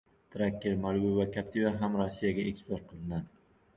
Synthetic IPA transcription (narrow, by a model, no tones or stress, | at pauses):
t̪ʰɾakʲːeɾmalˠɡʊvakʲʰap̚t̪ʰivaɦamɾosːijaɡʲaekspoɾ̚qʰɨlˠɪnd̪an